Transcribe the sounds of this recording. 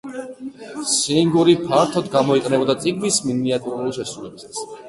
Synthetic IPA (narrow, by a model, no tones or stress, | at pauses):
siŋɡuɾipʰaɾt̪ʰɔd̪ɡamɔiqʼnɛbɔd̪at̪sʼiɡmisminiat̪ʼuɾulˠiʃɛsɾulɛbist̪ʰwi̥s